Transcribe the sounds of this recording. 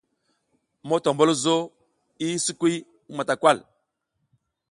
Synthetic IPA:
mo˦to˨mbo˦lzo˦ | i˦su˦kwi˦ | ma˨ta˨kwa˦l

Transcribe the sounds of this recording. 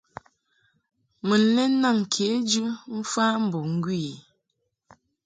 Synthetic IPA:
mə˨n̩˨˦le˦na˦˨ŋ̩˨kʰe˨˦d͡ʒɨ˦m̩˦fa˦m̩˦bo˨ŋ̩˦ɡwiː˦˨

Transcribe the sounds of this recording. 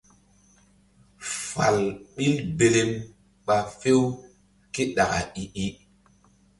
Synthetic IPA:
fa˨lɓi˦lbe˨le˦m | ɓa˨fe˦w | ki˦ɗa˨ka̰˨i˨ʔi˦

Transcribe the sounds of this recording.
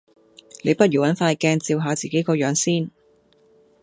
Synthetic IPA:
le˨˧jpɐ˥t̚jyː˨˩wɐ˨˥nfaː˧jkɛː˧ŋt͡siː˧wɦaː˨˧t͡siː˨ke˨˥jkɔː˧jœː˨˧ŋsiː˥˩n

